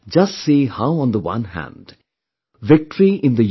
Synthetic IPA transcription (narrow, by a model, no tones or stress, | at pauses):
d͡ʒʌsʈsihaʊə̃nd̪əwʌ̰̃nhæ̰̃nd | ʋɪk̚ʈəɾiʔɪ̃nd̪əj